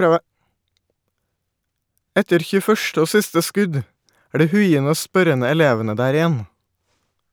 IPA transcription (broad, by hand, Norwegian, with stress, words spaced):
ˈɛtəɾ ˌçʉːəˈfœʃʈə ˈoː ˈsɪstə ˈskʉd ˈæː ˈɖiː ˈhʉɪənə ˈoː ˈspœɾənə ɛˈleːʋənə ˈdæːɾ ɪˈjɛn